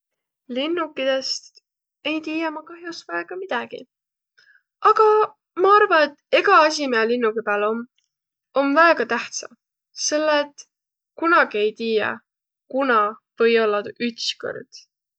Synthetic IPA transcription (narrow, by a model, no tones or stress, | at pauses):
linːukːˑid̪̥e̞st̪ | e̞jt̪iːjɑmɑkɑɦjosvɑeɡ̥ɑmid̪̥ɑɡ̥ḭ | ɑɡ̥ɑ | mɑɑrvɑne̞t̪ːe̞ɡ̥ɑɑs̬ʲimeɑlinːukipeːlo̞m | o̞mvæeɡ̥ɑt̪æht̪sɑ̰ | se̞lːet̪ːˑ | kunɑɡie̞jt̪iːjɑ̰ | kunɑvɤ̞jolːɑd̪yt̪sko̰rd̪̥